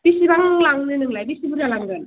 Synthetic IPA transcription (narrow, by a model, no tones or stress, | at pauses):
b̥isibaŋlaŋnɯnɯŋlajbisibuɾalaŋd̪ɯn